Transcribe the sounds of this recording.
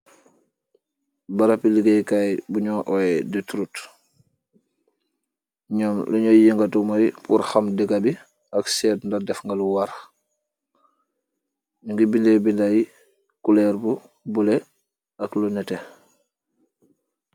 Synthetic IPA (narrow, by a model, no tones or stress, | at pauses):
baɾapiliɡɛjkajbuɲɔːʔɔɛdətɾut | ɲɔmlɐɲɔjiŋɡatumɔjpṵɾxamdɛɡabi | ɐksɛːtndadɛfŋɡaluwaɾ | ɲuŋɡibindɛbindaj | kulɛɾbu | bulɛ | ɐklɔnɛtɛ